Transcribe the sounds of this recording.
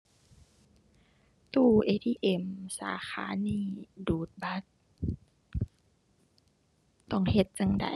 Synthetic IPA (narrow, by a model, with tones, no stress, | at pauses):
t̪uː˧˩ʔeː˧t̪iː˧ʔe˧˩msa̰ː˨˦xa̰ː˨˦niː˧˩duː˨˩t̪̚ba˧˦t̪̚ | t̪ɔ˧˩ŋhe˧˦t̪̚t͡ɕa˧ŋda̰˨˩